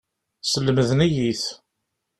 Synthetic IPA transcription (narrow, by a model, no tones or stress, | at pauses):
səlːəməðənæjiθ